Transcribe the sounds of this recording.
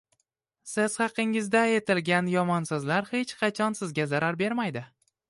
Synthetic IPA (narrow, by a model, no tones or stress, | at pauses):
sɪz̥χɑqʰɪŋɪzd̪ae̞t̪ʰɪlɡʲanjɒmɒnsɨzlaɾhe̞t͡ʃqʰɑt͡ʃʰɒnsɪzɡʲazaɾaɾbe̞ɾmajd̪ɪ